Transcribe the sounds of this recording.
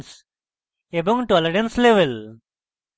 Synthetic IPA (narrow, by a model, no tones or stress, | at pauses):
s | ebɔ̃ŋʈɔːləɾə̃nsleʋel